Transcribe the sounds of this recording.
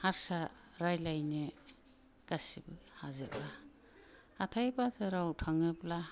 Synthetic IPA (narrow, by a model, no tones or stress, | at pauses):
haɾsa | ɾajlajne | ɡ̥asibɯhazɯba | atʰajbatʰɯɾawtʰaŋɯpla